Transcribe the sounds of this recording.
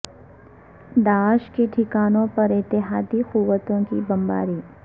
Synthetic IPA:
d̪aːʃkeʈʰɪkaːnõpɐɾɪt̪ːɪɦaːd̪iquwːət̪õkḭbɐmba̰ːɾiː

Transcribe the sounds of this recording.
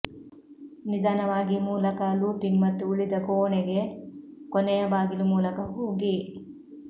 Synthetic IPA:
nid̪aːnɐʋaːɡimuːlɐkaːluːpinmɐt̪ːuuɭid̪ɐkoːɳeɡekonejɐbaːɡilumuːlɐkɐɦuːɡi

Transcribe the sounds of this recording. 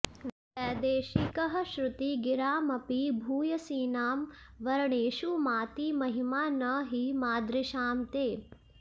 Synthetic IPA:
ʋɪtɛːd̪eːʃikɐɦɐʃɾʊt̪iɡɪɾaːmɐpibʱuːjɐsiːnaːmʋɐɾɐɳeːʃumaːt̪imɐɦimaːnɐɦimaːd̪ɾɪʃaːmt̪eː

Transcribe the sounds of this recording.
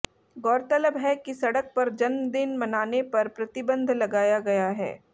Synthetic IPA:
ɡɔːɾt̪ələbɦɛkisɐɽək̚pɐɾd͡ʒɐnmd̪ɪnmɐnaːnepɐɾpɾɐt̪ɪbə̃nd̪ʱlɐɡaːjaɡɐjaɦɛ̰ː

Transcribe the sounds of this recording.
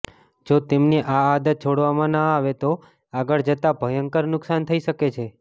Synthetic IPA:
d͡ʒot̪emneʔaːd̪ət̪̚t͡ʃʰoɽʋamãnəaʋet̪o | aɡəɭd͡ʒət̪abʱəjəŋkəɾnʊksant̪ʰəiʃəket͡ʃʰe

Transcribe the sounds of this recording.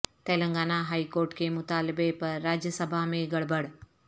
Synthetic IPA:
t̪eːlə̃ŋɡaːnaɦaːikoːɾʈkemʊt̪aːlɪbepɐɾːaːd͡ʒjəsəbʱamẽɡɐɽbəɽ

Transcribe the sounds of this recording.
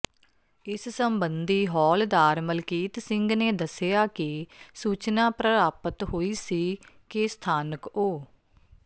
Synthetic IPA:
ɪssəmbənd̪iːɦɔːld̪aːɾməlkiːt̪sɪŋɡneːd̪əsɪjaːkɪsuːt͡ʃnãːpɾəɾaːpət̪ɦoːiːsiːkɪst̪ʰaːnəkoː

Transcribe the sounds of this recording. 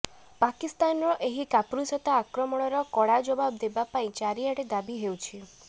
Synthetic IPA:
pakist̪anɾɔʔeɦikapɾusɔt̪aːkɾɔmɔɽ̃ɔɾɔkɔɽad͡ʒɔbab̚d̪ebapaĩt͡ʃaɾiaɽed̪abiɦewt͡ʃʰi

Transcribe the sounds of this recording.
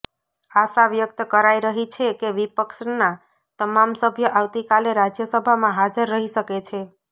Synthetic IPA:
asaʋjək̚t̪əkəɾaiɾəɦit͡ʃʰekeʋipəkʃna | t̪əmamsəbʱjəʔaʋt̪ikaleɾad͡ʒjəsəbʱamãɦad͡ʒəɾːəɦisəket͡ʃʰe

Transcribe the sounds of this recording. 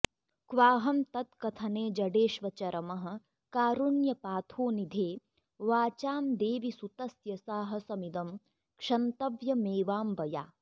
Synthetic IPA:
kʋaːɦɐmt̪ɐt̪kɐt̪ʰɐneːd͡ʒɐɖeːʃʋɐt͡ʃɐɾʔɐmɐɦɐ̆ | kaːɾunjɐpaːt̪ʰoːnid̪ʱeː | ʋaːt͡ʃaːmd̪eːʋisut̪ɐsjɐsaːɦɐ̆sɐmid̪ɐm | kʂɐnt̪ɐʋjɐmeːʋaːmbɐja̰ː

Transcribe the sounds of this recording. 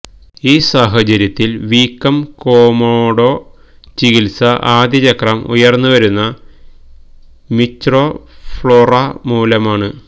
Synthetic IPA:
iːsaːɦɐt͡ɕɐɾjɐt̪ːilʋiːkːɐmko̞ːmoːɽo̞ː | t͡ɕiɡilsɐʔaːd̪jɐt͡ɕɐkrɐmṵjɐrnːuʋɐɾunːɐ | mitːrofɭorɐmuːlɐmaːɳɨ

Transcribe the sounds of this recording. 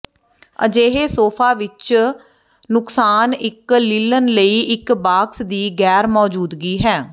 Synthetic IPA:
ə̰d͡ʒeːɦeːsoːpʰaːʋɪt͡ʃ | nʊksaːnɪkliːlənləiːʔɪkbaːksd̪iːɡɛːɾmɔːd͡ʒuːd̪ɡiːɦɛː

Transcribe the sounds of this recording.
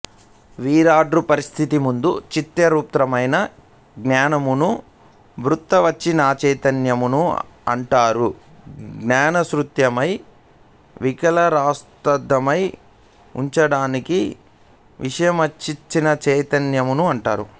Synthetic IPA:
ʋiːɾaːɖɾupɐɾist̪ʰit̪imund̪ut͡ʃit̪jɐɾuːp̚t̪ɾɐmɐjnɐ | ɡnaːnɐmunu | bɾut̪ːɐʋɐt͡ʃːinaːt͡ʃɐjt̪ɐnjɐmunuɐ̰ɳʈaːɾu | ɡnaːnɐsɾut̪jɐmɐj | ʋikɐlɐɾaːst̪ɐd̪ːɐmɐj | ṵɲt͡ʃɐɽaːniki | ʋʔiʂɐjɐmɐt͡ʃːit͡ʃːinɐt͡ʃɐjt̪ɐnjɐmunuɐɳʈaːɾu

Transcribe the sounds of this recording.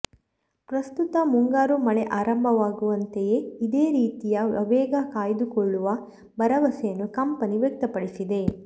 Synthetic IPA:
pɾɐst̪ut̪ɐmuŋɡaːɾumɐneʔaːɾɐmbʱɐʋaːɡuʋɐnt̪eje̞id̪eːɾiːt̪ijɐɐ̰ʋɛːɡɐkaːjd̪ukɔɭːuʋɐ | bɐɾɐʋɐsejɐnːukɐmpɐniʋjɛk̚t̪ɐpɐɽisid̪e̞

